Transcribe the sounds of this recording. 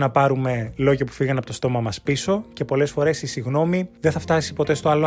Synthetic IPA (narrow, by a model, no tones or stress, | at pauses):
nɐpɐɾume̞lo̞ʝɐpu̥fiɣɐnɐpo̞t̪o̞st̪o̞mɐmɐspiso̞ce̞po̞le̞sfo̞ɾe̞sisiɣno̞miðeθɐft̪ɐsi̥po̞t̪e̞st̪o̞ɐlo